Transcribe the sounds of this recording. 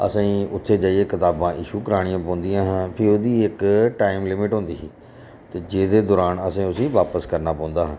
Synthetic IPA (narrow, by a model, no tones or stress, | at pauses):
ə̰sãːiːʊt̪ʰːeːd͡ʒaːieːkɪt̪aːbãːʔɪʃuːkəɾaːɽ̃ɪjãːpəːnd̪ɪjãːɦãːpʰɪɾoːd̪iːɪkʈaːɪmlɪmɪʈɦʊ̃ːnd̪iːɦiː | t̪eːd͡ʒeːd̪eːd̪ɔːɾaːnəsẽːʊsĩːʋaːpəskəɾnaːpãːnd̪aːɦãː